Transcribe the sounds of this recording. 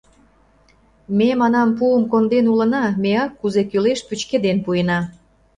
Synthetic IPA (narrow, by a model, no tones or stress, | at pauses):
memɑnɑmpuəmkond̪enulə̆nɑmeɑkːuzekyleʃpyt͡ɕked̪enpujənɑ